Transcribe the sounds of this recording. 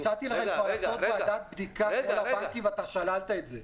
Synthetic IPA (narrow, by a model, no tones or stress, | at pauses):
t͡sat̪ileχalfalaot̪bead̪at̪̚bd̪ikavlabakivat̪aʃalalt̪aet̪ze